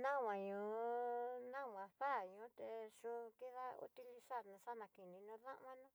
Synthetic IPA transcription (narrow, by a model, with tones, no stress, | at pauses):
nã˦˨wʷã˨ɲũ˨ | nã˦˨wã˨ɸa˦˨ɲũ˨˦t̪e˧ʃu˧ki˦ða˦ṵ˦t̪i˧li˧sa˦˨ɾnũ˧ʂa˦nã˨ki˨nĩ˧nũ˧ðã̰˦ʔã˦nũ˦